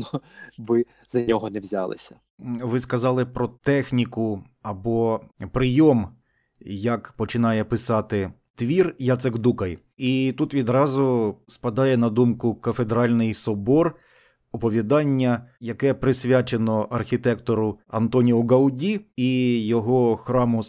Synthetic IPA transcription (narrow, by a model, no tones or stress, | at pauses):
nɔʋɪ | zɐnʲɔɦɔnɛʋzʲa̰lˠɪ̰sʲɐ̥ | ʋɪskɐzɑlˠɪpɾɔt̪ɛxnʲikʊ | ɐbɔpɾɪjɔm | jɐkpɔt͡ʃɪnɑjɛpɪsɑt̪ɪ | t̪ʋʲirjat̪seɡd̪ukɐj | it̪ut̪ʋʲid̪ɾɑzʊspɐd̪ɑjɛnɐd̪umkʊkɐfed̪ɾɑlʲnɪjsɔbɔr | ɔpɔʋʲid̪ɑnʲːɐjɐkɛpɾɪsʲʋʲat͡ʃenɔʔɐrxʲit̪ɛkt̪ɔɾʊɐnt̪ɔnʲiɦʊɡɐwdʲiijɔɦɔxɾɑmʊ